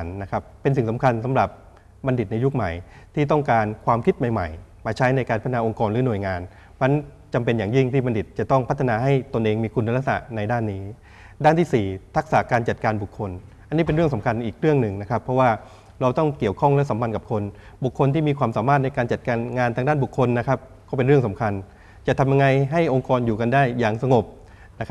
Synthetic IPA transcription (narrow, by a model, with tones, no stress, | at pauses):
nːa˦˥kʰa˦˥pːe˧nsi˨˩ŋsa˩˦mkʰa˧nsa˨˩˦mɾa˨˩p̚ | ba˧ndi˨˩t̪̚na˧ju˦˥k̚ma˨˩jt̪ʰiː˥˩t̪̬ɔ˥˩ŋkaː˧nkʰwaː˧mkʰi˦˥t̪̚ma˨˩jma̰˨˩j | maː˧t͡ɕʰa˦˥jna˧jkaː˧npʰt̪ʰːnaː˧o˧ŋkɔː˧nɾlɯː˩˦nu˨˩əjŋaː˧n | ma˧˥n | t͡ɕa˧mpe˧njaː˨˩ŋji˥˩ŋt̪ʰiː˥˩ba˧ndi˨˩t̪̚t͡ɕa˨˩t̪ɔ˥˩ŋpʰa˦˥t̪ʰːa˧naː˧ɦa˥˩jt̪o˧nʔeː˧ŋmiː˧kʰu˧nːa˧ɾa˦˥k̚sa̰˨˩na˧jdaː˥˩nːiː˦˥ | daː˥˩nt̪iː˥˩siː˨˩t̪ʰa˦˥k̚sa̰˨˩˦kaː˧nt͡ɕa˨˩t̪̚kaː˧nbu˨˩kʰːo˧nʔa˧nːiː˦˥pe˧nɾɯ˥˩əŋsa˩˦mkʰa˧nʔiː˨˩k̚ɾɯ˥˩əŋnɯ˨˩ŋna˦˥kʰa˦˥pʰːɾɔ˦˥waː˥˩ | ɾa˧wt̪ɔ˥˩ŋki˨˩əwkʰɔ˥˩ŋlɛ˦˥sa˩˦mpʰa˧nka˨˩p̚kʰo˧nbu˨˩kʰːo˧nt̪ʰiː˥˩miː˧kʰwaː˧msaː˩˦maː˥˩t̪̚na˧jkaː˧nt͡ɕa˨˩t̪̚kaː˧nŋaː˧nt̪aː˧ŋdaː˥˩nbu˨˩kʰːo˧nːa˦˥kʰa˦˥p̚kɔː˥˩pe˧nɾɯ˥˩əŋsa˩˦mkʰa˧n | t͡ɕa˨˩t̪ʰa˧mja˧ŋa˧jɦa˥˩jʔo˧ŋkɔː˧njuː˨˩ka˧ndaː˥˩jːaː˨˩ŋsa˧ŋo˨˩p̚ | na˦˥kʰa˦